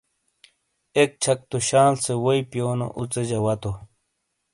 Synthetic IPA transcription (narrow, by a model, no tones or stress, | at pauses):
ek̚t͡ɕʰɐk̚t̪uɕaːlsewoipjoːno̰ʔut͡sed͡ʑɐwɐt̪o